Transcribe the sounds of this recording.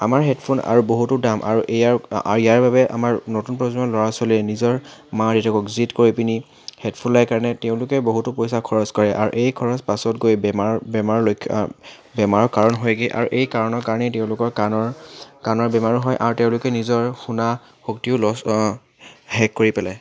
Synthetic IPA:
a̰maɹɦɛtpʰuna̰ɹuboɦutʊdamʔa̰ɹuʔejaa̰ijaɹbʱabɛʔa̰maɹnotunpɹɔzɔnɔlɔɹasoliɛnizɔɹmadɛtʰɔkɔkzitkoɹipini | hɛtpʰunlajkaɹɔnɛteʊ̃lʊkɛboɦutʊpojsakʰɔɹɔskɔɹɛʔa̰ɹṵʔejkʰɔɹɔspasɔt̚ɡojbɛmaɹbɛmaɹɔlojkʰːbɛmaɹɔkaɹɔnɦɔjɡeʔa̰ɹuʔejkaɹɔnɔɹkaɹɔnɛtɛʊ̃lʊkɔɹkanɔɹkanɔɹbɛmaɹɦɔjʔaɹuteʊ̃lʊkɛnizɔɹxuna | xoktiʊlɔs | hɛkkːoɹipɛlaj

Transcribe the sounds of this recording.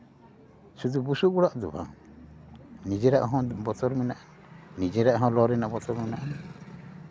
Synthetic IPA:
sud̪ubusukuɽaʔd̪ubʱa̰ŋ | nid͡ʒɛɾaʔɦɔ̃bɔtɔɾmɛnaʔa | nid͡ʒɛɾaʔɦɔ̃lɔɾɛnaʔbɔtɔɾmɛnaʔan

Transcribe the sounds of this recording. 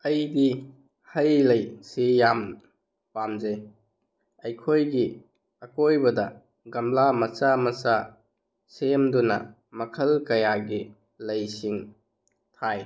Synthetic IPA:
ɐjdi | hɐjlɐjsijam | pamze | ɐjkʰojɡi | ɐkojbɐdɐ | ɡɐmlamɐt͡ʃamɐt͡ʃa | semdunɐ̰ | mɐkʰɐlkɐjaɡi | lɐjsiŋ | tʰaj

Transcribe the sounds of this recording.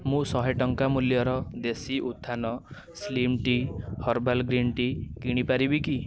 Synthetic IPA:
mũsɔɦɔjʈɔŋkamuljɔɾɔd̪esiʔut̪ʰːanɔ | slimʈihɔɾbalɡɾinʈikiɽ̃ipaɾibiki

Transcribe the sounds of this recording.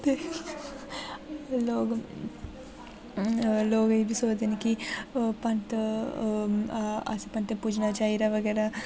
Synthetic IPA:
t̪e | loːɡɐ | loːɡɐiʋisoːd̪ɐnikipɐɳʈ̪ɐ | a̰sipɐɳʈ̪epud͡ʒnat͡ʃajiɾɐʋɐɡɐɾa

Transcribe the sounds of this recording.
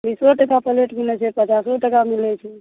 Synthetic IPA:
bisoʈəkapəleʈkinɛt͡ʃʰɛpət͡ʃasoʈəkamilɛt͡ʃʰɛ

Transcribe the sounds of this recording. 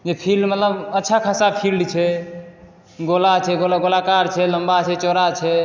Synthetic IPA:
d͡ʒepʰilmət̪ləbətːʃʰakʰasapʰilɖt͡ʃʰɛ | ɡolat͡ʃʰɛɡolaɡolakaɾt͡ʃʰɛləmbat͡ʃʰɛt͡ʃɔɾat͡ʃʰɛ

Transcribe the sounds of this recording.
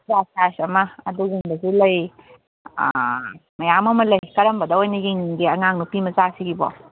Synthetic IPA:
zasasɐmɐːduɡiŋbɐzilɐj̰ | mɐjamɐmɐlɐjkɐɾɐmbɐdɐojnɐɡiŋɡiɐŋaŋnupimɐzasiɡibɔ̰

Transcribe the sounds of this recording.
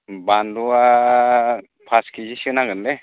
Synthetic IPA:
bandua | pʰaskʰizisɯnaɡɯnle

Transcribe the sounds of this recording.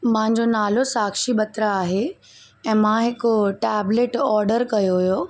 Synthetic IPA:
mãɦɪ̃ɲ̆d͡ʑonaːlosaːkʃibɐt̪ɾaːɦe | ɛ̃ːmãɦɪkoʈɛːbleʈɔːɾɖəɾkɐjoɦujo

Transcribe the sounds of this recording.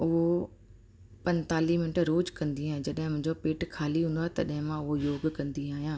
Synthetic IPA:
ʊɦo | pɐ̃nt̪aːliɦmɪnɪʈɾoːd͡ʑkɐ̃nd̪iaːɦẽd͡ʑɐɗɦɪ̃mʊ̃ɦɲd͡ʑopeːʈkʰaːliɦũːnd̪oaːɦet̪ɐɗɦɪ̃mãʊɦojoːɡkɐ̃nd̪iaːɦijãː

